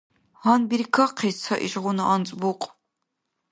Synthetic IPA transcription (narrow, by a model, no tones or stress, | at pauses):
anbirkʰɐqʰiːt͡sʰɐʔḭɕʼʁʷʊnɨʔant͡sʼbuqʷʼ